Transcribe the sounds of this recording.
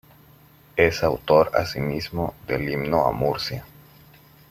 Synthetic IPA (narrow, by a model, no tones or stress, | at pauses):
esawt̪o̞ɾa̰simizmoðelimnoa̰muɾsja